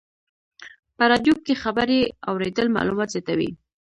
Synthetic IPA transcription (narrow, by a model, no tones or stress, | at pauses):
pəɾɑd̪jokːexabaɾea̰wɾed̪əlmɑ̰lumɑt̪zjat̪awḭ